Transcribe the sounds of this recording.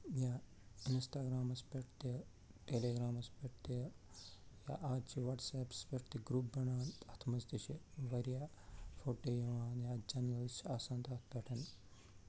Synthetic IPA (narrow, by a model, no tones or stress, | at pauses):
jaː | insʈaːɡɾaːmɐspeʈʰt̪i | ʈeːleːɡɾaːmɐspeʈ̚t̪i | ja̰ːʔaːt͡ʃʰiʋɐʈseːpspeʈt̪iɡɾuːpːɐɳaːnt̪ɐt̪ʰmɐsd̪ɐʃiʋɐɾjaːfʰoːʈeːjɐʋaːnjaːd͡ʒɐnɐlt͡ʃaːsaːnt̪aːt̪ʰpeːʈʰɐn